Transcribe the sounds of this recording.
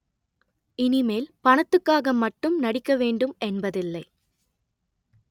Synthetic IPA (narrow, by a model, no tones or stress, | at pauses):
ɪnɪmeːlpɐɳɐt̪ːɯkːaːɣɐmɐʈːɯmnɐɽɪkːɐʋeːɳɖɯmɛnbɐðɪlːɐɪ